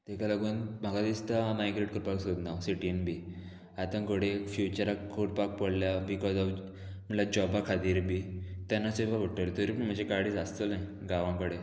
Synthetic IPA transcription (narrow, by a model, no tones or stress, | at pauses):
t̪ekaləɡuːnm̤akad̪ist̪amajɡɾeʈkəɾpaksod̪nawsiʈienbiː | at̪ãŋkoɽefjut͡ɕəɾakkʰoʈpak̚pəɽljabikɔzɔʋ | m̤əɳlad͡ʑɔbakʰat̪iːɾbit̪janːasekaɡʱoʈːəɾet̪oɾipə̃m̤əd͡ʑekaɽiːt͡sast̪əlnaj | ɡaʋãŋkəɽe